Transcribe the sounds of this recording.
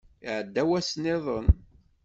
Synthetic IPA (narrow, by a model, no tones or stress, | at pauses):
iʕəd̪ːæwæsnɪðˤən